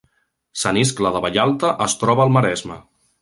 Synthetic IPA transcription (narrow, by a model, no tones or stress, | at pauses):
səniskləðəβaʎalˠt̪əʔəst̪ɾɔβəːlˠməɾɛzmə̰